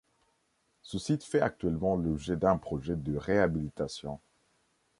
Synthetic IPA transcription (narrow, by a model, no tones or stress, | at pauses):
səsit̪fɛak̚t̪ɥɛlmɑ̃lɔbʒɛd̪ɛ̃pχɔʒɛd̪əʁeabilit̪asjɔ̃